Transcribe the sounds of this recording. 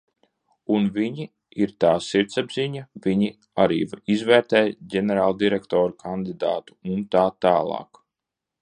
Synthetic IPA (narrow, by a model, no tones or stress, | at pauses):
unviɲi | iɾt̪aːsiɾt̪sabzʲiɲaviɲi | aɾḭːvizvɛːɾt̪ɛːjɟɛnɛɾaːlˠd̪iɾɛkt̪ɔːɾukʰand̪id̪a̰ːt̪u̥unt̪aːt̪aːlˠɑ̰ːk